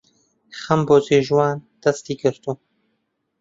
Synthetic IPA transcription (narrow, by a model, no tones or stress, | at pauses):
χɐmboːzeːʒwɑːnd̪̥ɐst̪iːɡɨɾt̪uː